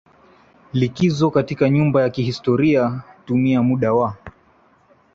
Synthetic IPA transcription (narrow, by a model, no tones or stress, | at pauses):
likizɔkatikaɲumbajakihistɔɾiatumiamuɗawa